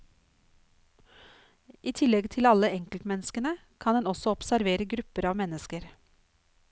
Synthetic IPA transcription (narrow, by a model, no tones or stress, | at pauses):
ʔiːt̪ʰɪlɛɡt̪ʰɪlɑləɛŋkəlt̪mɛnəskənə | kʰɑnd̪ɛnɔsɔɔpsæɾʋeːɾəɡɾʉpəɾɑːʋmɛnəskəɾ